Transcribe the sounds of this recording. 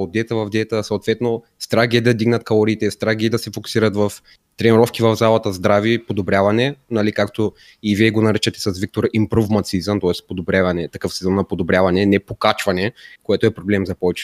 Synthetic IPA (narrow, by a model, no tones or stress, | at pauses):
od̪ːɛt̪əvɐvd̪ɛt̪əsɐot̪vɛt̪no | st̪ɾaɡɛd̪ɐd̪iɡnɐt̪̚kɐlˠoɾiːt̪ɛst̪ɾaɡʲɛd̪ɐsɛfoku̥siɾət̪vɐf | t̪ɾɛniɾɔfkivɐvzalˠɐt̪əzd̪ɾavipod̪obɾʲjavɐnɛnɐlikakt̪o | iviɛɡonɐɾɛt͡ʃɛt̪ɛ̥sɐsvik̚t̪oɾimpɾovmɐt̪sizəmt̪ɔɛspod̪obɾʲavɐnɛt̪ɐkɤfsɛzɔnnɐpod̪obɾʲavɐnɛnɛpokat͡ʃvɐnɛkoɛt̪oɛpɾoblɛmzɐpɔvɛt͡ʃɛ